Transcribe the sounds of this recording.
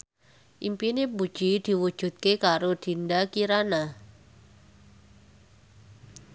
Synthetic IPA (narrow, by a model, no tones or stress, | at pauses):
ʔimpinepud̥ʒ̥id̪̥i̤wud̥ʒ̥ṳt̪̚kekaɾod̪̥i̤nd̪akiɾana